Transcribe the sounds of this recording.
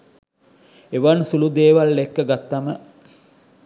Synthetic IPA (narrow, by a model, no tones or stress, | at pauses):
eʋansulud̪eːʋalːekːəɡat̪ːamə